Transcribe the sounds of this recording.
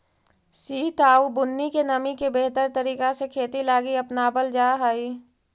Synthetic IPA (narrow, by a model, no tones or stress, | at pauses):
siːt̪aːubʊnːikenɐmikebeːɦt̪əɾt̪əɾiːkasekʰeːt̪ilaːɡiɐpnabəld͡ʒaːɦaːi